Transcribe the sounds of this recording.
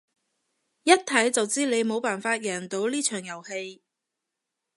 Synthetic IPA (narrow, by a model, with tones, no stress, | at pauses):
jɐ˥t̚t̪ʰɐ˨˥jt͡sɐ˨wt͡siː˥le˨˧jmo˨˧wpaː˨nfaː˧t̚jɛː˨˩nt̪o˨˥wliː˥t͡ʃʰœː˨˩ŋjɐ˨˩whe˧j